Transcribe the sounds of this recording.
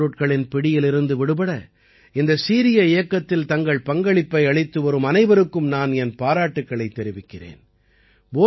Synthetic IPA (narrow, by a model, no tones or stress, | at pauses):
ɯʈ̚kɐɭɪnpɪɽɪjɪlɪɾɯnd̪ɯʋɪɽɯpɐɽɐ | ɪnd̪ɐsiːɾɪjɐɪjɐkːɐt̪ːɪlt̪ɐŋɡɐɭpɐŋɡɐɭɪpːɐɪɐɭɪt̪ːɯʋɐɾɯmɐnɐɪʋɐɾɯkːɯmnaːnɛnpaːɾaːʈːɯkːɐɭɐɪt̪ːɛɾɪʋɪkːɪrḛːn | boː